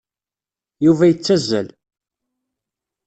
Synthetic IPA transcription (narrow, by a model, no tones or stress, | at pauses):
juvæjət͡sːæzːæ̰l